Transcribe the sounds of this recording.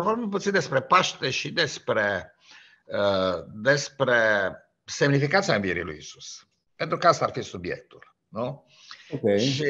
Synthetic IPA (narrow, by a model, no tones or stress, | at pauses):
pɔbɛmput̪sid̪ɛspɾɛpaʃt̪ɛʃid̪ɛspɾɛ | d̪ɛspɾɛ | sɛmnifikat̪saĩviɛɾḭlṵḭzu̥s | ɛnt̪ɾukast̪aɾfisubjɛ̰t̪ːul | nɔ | okenʃi